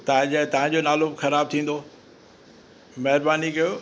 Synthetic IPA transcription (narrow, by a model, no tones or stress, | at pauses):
t̪ɐãd͡ʑat̪ɐɦãd͡ʑonaːlobɪxɐɾaːb̚t̪ʰĩːn̆d̪o | mɐɦɪɾbaːnikɐjoː